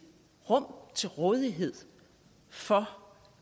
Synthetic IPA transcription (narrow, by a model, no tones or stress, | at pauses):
ʁɔ̽m̰t͡sʰe̝lʁɔ̽ːð̞ˠiɦe̝ð̞̰ˠ | fɒ̽